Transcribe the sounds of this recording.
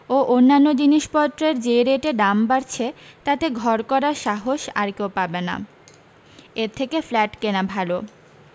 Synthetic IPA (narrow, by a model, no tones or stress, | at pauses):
oʔonːanːod͡ʑiniʃpɔt̪ːɾeɾd͡ʑeɾeʈeɖambaɾt͡ɕʰet̪at̪eɡʱɔɾkɔɾaɾʃaɦoʃa̰ɾkewpabena̰ | eɾt̪ʰekeflɛʈkenabʱalo